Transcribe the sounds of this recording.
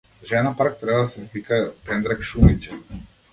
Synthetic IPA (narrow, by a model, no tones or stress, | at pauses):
ʒɛnapaɾk̚t̪ɾɛbad̪asɛt̪ikapɛnd̪ɾɛkʃumit͡ʃɛ